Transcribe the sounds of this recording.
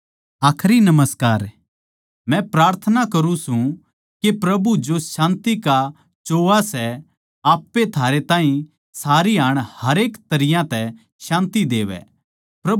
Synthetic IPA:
aːkʰɾinɐməskaːɾ | mɛ̃pɾaːɾt̪ʰənakɐɾũsũ | kepɾɐbud͡ʒoʃãːnt̪ika | t͡ʃoːʋasɛ | aːpːet̪ʰaːɾet̪ãːɦĩ | saːɾiaːɽ̃hɐɾeːkt̪ɐɾɪjãt̪ɛ | ʃãːnt̪id̪eːʋɛ̰ | pɾɐ

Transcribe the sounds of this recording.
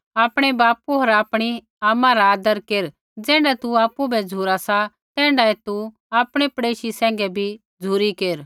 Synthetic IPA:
aːpɽ̃ɛbaːpuɦoːɾaːpɽ̃i | aːmãɾaaːd̪əɾkeːɾ | d͡zɛ̃ːɳɖat̪uaːpubɛd͡zʱuɾasa | t̪ɛ̃ːɳɖaɛt̪u | aːpɽ̃epɽeːʃisɛ̃ːŋ̆ɡɛbʱi | d͡zʱuːɾikeːɾ

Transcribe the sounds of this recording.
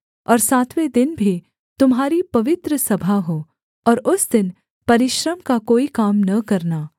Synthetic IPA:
ɔːɾsaːt̪ʰwed̪ɪnbʱi | t̪ʊmɦaːɾipɐʋɪt̪ɾəsɐbʱaɦoː | ɔːɾʊsd̪ɪn | pɐɾɪʃɾəmkakoːikaːmnɐkɐɾnaː

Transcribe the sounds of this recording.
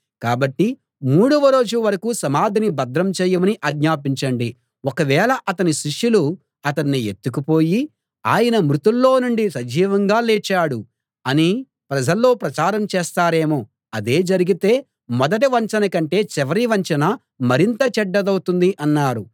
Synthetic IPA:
kaːbɐʈːi | muːɽuʋɐɾo̞ːd͡ʒuʋɐɾɐkusɐmaːd̪ʱinibɐd̪ɾɐmt͡ʃɛːjɐmɐniʔɐɡɲaːp̬iɲt͡ʃɐɳɖi | wɔkɐʋɛːlɐʔɐt̪ɐniʃiʂjulu | ɐt̪̬ɐɳːiet̪ːukupo̞ːji | aːjɐnɐmɾut̪ulːo̞ːnuɳɖisɐd͡ʒiːʋɐŋɡaːleːt͡ʃaːɽu | ɐni | pɾɐd͡ʒɐlːo̞ːpɾɐt͡ʃaːɾɐmt͡ʃeːst̪aːɾe̞ːmoː | ɐd̪e̞ːd͡ʒɐɾiɡit̪e̞ː | mɔd̪ɐʈ̬ɐʋɐɲt͡ʃɐnɐkɐɳʈe̞ːt͡ʃɛʋɐɾiʋɐɲt͡ʃɐnɐ | mɐɾint̪ɐt͡ʃɛɖːɐd̪ɐwt̪und̪iʔɐnːaːɾu

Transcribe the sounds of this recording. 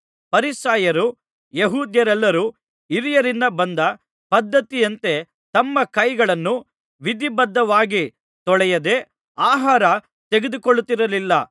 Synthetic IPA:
pɐɾisaːjɐɾu | jeɦuːd̪jɐɾɛlːɐɾuː | iɾijɐɾind̪ɐbɐnd̪ɐ | pɐd̪ːɐt̪ijɐnt̪e̞ | t̪ɐmːɐkɐjɡɐɭɐnːu | ʋid̪ibɐd̪ːɐʋaːɡi | t̪ɔɭɛjɐd̪e̞ | aːɦaːɾɐ | t̪eɡe̞d̪ukoɭːut̪ːiɾɐlilːɐ

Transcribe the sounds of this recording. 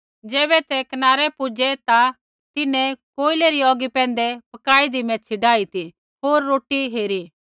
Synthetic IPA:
d͡zɛːbɛt̪ɛkɐnaːɾɛpʊd͡ʒɛt̪a | t̪ɪnɛ̃koːɪlɛɾiɔːɡipɛ̃ːnd̪ɛpɐkaːid̪imɛ̃t͡ʃʰɪɖaːit̪i | oːɾːoːʈiɦeːɾi

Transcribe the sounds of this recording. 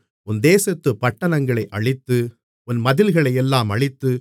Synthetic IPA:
ʊnd̪eːsɐt̪ːɯpːɐʈːɐnɐŋɡɐɭɐɪʔɐɭɪt̪ːɯ | ʊnmɐðɪlɣɐɭɐɪjɛlːaːmɐɭɪt̪ːɯ

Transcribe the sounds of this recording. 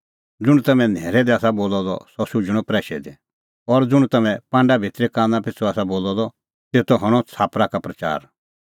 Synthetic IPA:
d͡zʊɽ̃t̪ɐmɛ̃nɛːɾɛd̪iaːsaboːlɔd̪ɔ̰sɔsʊd͡ʒɽ̃ɔpɾɛːʃɛd̪ɛ | ɔɾd͡zʊɽ̃t̪ɐmɛ̃pãːɳɖabʱɪt̪ɾikãːnãpɪt͡sʰuaːsaboːlɔd̪ɔ | t̪eːt̪ɔɦɐɽ̃ɔt͡sʰaːpɾakapɾɐt͡ʃa̰ːɾ

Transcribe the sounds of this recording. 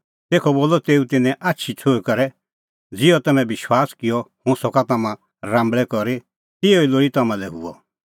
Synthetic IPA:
t̪eːkʰɔboːlɔt̪eːũt̪ɪnɛ̃ʔatːʃʰit͡sʰoːikɐɾɛ | d͡zɪjɔt̪ɐmɛ̃bɪʃwaːskɪjɔhʊ̃sɔkat̪ɐmã | ɾãːmbɭɛkɔɾe | t̪ɪɔiloːɽit̪ɐmãlɛɦʊ̰ɔ̰

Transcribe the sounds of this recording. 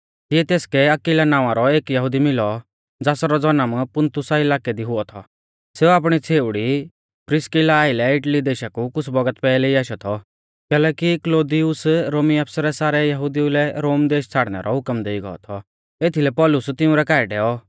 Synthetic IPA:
kiɛt̪eːskɛɐkilanãːʋ̃ãɾɔeːkjɐɦʊd̪imɪlɔ | d͡zaːsaɾɔd͡zɔnəmpʊnt̪ʰʊsaɪlaːkɛd̪iɦʊɔt̪ʰɔ̰ | seːuaːp̬ɽ̃it͡sʰeːʊɽi | pɾɪskɪlaːɪlɛɪʈlid̪eːʃakukʊt͡sʰbɐɡət̪pɛːlɛiaːʃɔt̪ʰɔ | kɛːlɛːkikloːd̪ijʊsɾoːmiaːpsaɾɛsaːɾɛjɐɦʊd̪iulɛɾoːmd̪eːʃt͡sʰaːɽnɛ̰ɾʔɔɦʊkmd̪eːiɡɔ̰ɔ̰t̪ʰɔ | et̪ʰilɛpɔlʊst̪ɪũɾɛkaːɪɖɛːɔ

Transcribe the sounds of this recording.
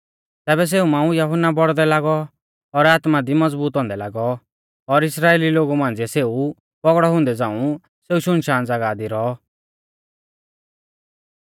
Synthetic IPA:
t̪ɛːbɛs̬eːumãːũjɐɦʊnːabɔɽd̪ɛlaːɡɔː | ɾaːt̪mad̪imɐd͡zbuːt̪ɦɔ̃ːnd̪ɛlaːɡɔ | ɔɾɪsɾaːeːliloːɡumãːn̆d͡ziɛseːu | pɔɡɽɔɦʊ̃ːnd̪ɛd͡zãːũ | seːuʃʊnʃaːnd͡zaɡaːd̪iɾɔɔ

